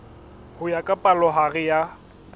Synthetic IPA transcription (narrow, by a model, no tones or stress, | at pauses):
hʊjakʼapʼalɔɦarɪja